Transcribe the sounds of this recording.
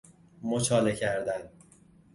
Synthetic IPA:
mot͡ʃʰɒːlecʰæɾd̪æn

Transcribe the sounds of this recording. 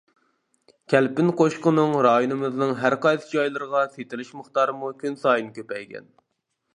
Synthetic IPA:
kʲʰɛlpɪnqʰoʃqʊnɨŋɾɑːjonɨmɨznɨŋɦæɾqɑjsɨd͡ʒɑjlˠɨɾʁɑset̪ʰɪlɪʃməχt̪ɑːɾɨmukʲynsɑːjɨnkʲøpɛjɡʲɛ̰n

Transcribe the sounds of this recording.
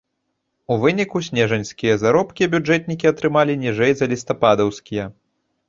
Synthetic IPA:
uvɨnʲikusʲnʲɛʐɐnʲsʲkʲijɐzaɾɔpkʲiɐbʲud͡ʐɛt̪ʲnʲikʲiɐt̪ɾɨmalʲinʲɛʐɛjzɐlʲist̪ɐpad̪ɐwsʲkʲijɐ

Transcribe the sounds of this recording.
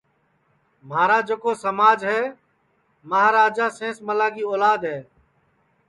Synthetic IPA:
maːɾaːd͡ʒəkoːsəmaːd͡ʒɦɛː | məɦaːɾaːd͡ʒaːsẽːsməlaːɡiːoːlaːd̪ɦɛː

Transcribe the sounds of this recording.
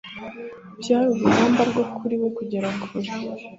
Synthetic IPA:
bjaːɾuɾuhaːmbaɾɡokʰuɾiwekuɟeɾakʰuɾi

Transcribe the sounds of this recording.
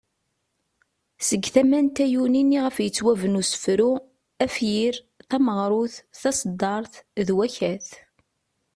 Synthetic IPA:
səɡːθæmænt̪æjuniniʁəfjət͡sːwævənusə̥fɾu | æfjiɾ | θæməʁɾˤʊθθɑsˤd̪ːɑɾˤθðwæçæθ

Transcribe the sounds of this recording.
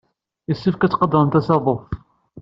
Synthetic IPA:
jəsːifkæt͡sːqəd̪ɾənt̪æsɑðˤof

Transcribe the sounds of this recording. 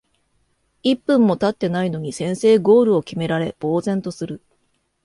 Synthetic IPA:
ipːɯ̟̃mːo̞t̪at̪ːe̞naino̞ɲ̟isẽ̞ɰ̃se̞ːɡo̞ːɾɯ̟o̞kʲime̞ɾaɾe̞b̥o̞ːzẽ̞nt̪o̞sɨɾɯ̟

